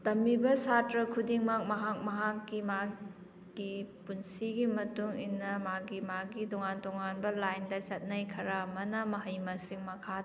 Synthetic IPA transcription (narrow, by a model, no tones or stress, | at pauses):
tɐmːibɐsatɾɐkʰudiŋmak̚mɐɦak̚mɐɦakːima | ɡ̥ipunsiɡimɐtuŋinːɐmaɡimaɡitoŋantoŋanbɐlajndɐsɐt̚nɐjkʰɐɾamɐnɐmɐɦɐjmɐsiŋmɐkʰad